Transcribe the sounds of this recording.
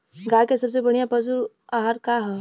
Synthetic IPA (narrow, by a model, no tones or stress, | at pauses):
ɡaːjkesɐbs̬ebɐɽ̃ijapɐzuɾ | aːɦaɾkaɦɛ